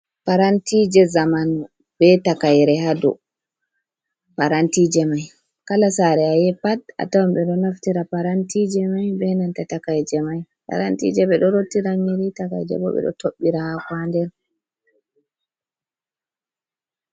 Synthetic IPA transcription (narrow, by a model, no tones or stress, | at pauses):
paɾantid͡ʒɛzaman | b̥ɛtakajɾɛhadɔ̰ | paɾantid͡ʒɛmaj | kalasaɾɛajɛpata̰tawamɓɛɗɔnaftiɾapaɾantid͡ʒɛmajbɛnantatakajd͡ʒɛmaj | pa̰ɾantḭd͡ʒɛɓɛɗɔɾotːiɾamiɾitaka̰jd͡ʒɛ̰bɔ̰ɓɛ̰ɗɔ̰toɓːiɾahakwandɛɾ